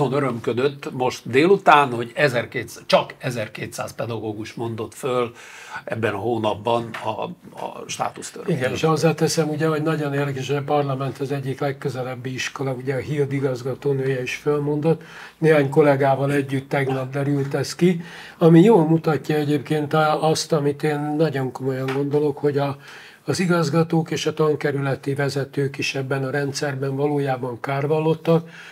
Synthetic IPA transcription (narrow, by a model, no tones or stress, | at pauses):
onøɾømkød̪øt̪ːmo̞ʃt̪d̪eːlut̪aːnho̞ɟɛzɛrkeːt̪st͡ʃɒkɛzɛrkeːt̪sa̰ːspɛd̪ɒɡoːɡuʃmo̞nd̪o̞t̪føl | ɛbːɛnɒɦoːnɒbːɒnɒ̰ | ʃt̪a̰ːt̪ust̪ø̰riɡɛniʃɒzːɛlt̪ɛsɛmuɟɛɦo̞ɟnɒɟo̞neːrd̪ɛkɛʃhoɒpɒrlɒmɛnt̪ɛzɛɟːiklɛkkːø̞zɛlɛbːiiʃko̞lɒuɟɛɒɦild̪iɡɒzɡɒt̪oːnøːjɛiʃfølmo̞nd̪o̞t̪ | neːɦaːɲko̞lɛɡaːvɒlɛɟːyt̪ːɛɡnɒb̪d̪ɛɾylt̪ɛski | ɒmijoːlmut̪ɒcːɒɛɟeːpkeːnt̪ɒst̪ɒmit̪eːnːɒɟo̞ŋko̞mo̞jɒŋɡo̞nd̪o̞lo̞kho̞ɟɒː | ziɡɒzɡɒt̪oːkeːʃɒt̪ɒŋkɛɾylɛt̪ivɛzɛt̪øːkiʃɛbːɛnɒɾɛnt̪sɛrbɛnvɒloːjaːbɒŋkaːrvɒlːo̞t̪ːɒk̚